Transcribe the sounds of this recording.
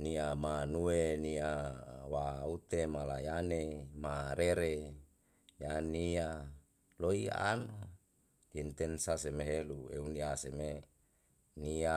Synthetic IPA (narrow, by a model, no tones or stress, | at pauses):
niamanueniawaut̪emalajanemaɾeɾe | jania | loia̰na | int̪ensasemeɦeluḛuniaseme | nia